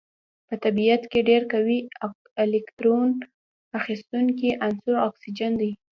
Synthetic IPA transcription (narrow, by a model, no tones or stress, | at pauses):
pət̪abijat̪keɖeɾkawi | ɪlɪkt̪ɾon | axist̪uŋkiʔansoaksid͡ʒand̪ij